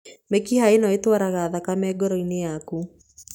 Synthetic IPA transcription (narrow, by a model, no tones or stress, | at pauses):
mekihaenaetwaɾaɣaːðakamɛːɡɔɾɔinejaku